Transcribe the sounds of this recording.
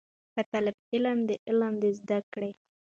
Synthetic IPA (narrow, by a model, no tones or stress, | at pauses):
kat̪alɪbɪləmd̪əʔɪlamd̪ezd̪akɽe